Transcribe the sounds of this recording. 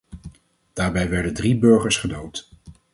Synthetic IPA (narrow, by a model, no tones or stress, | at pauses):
d̥aːɹbɛjʋɛɹdəndribɵɹχəɹsχədowt